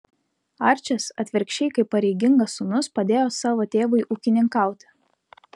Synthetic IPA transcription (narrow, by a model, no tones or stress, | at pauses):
ɐˑɾʲt͡ʃʲɛsɐt̪ʲʋʲɪɾʲkʃʲt͡ʃʲɛɪkɐɪpːɐɾʲɛɪɡʲɪŋɡɐsʊnʊspɐd̪ʲeːjoːsɑːʋoːt̪ʲeːʋɐɪʔuːkʲɪnʲɪŋkɑˑʊt̪ʲɪ̥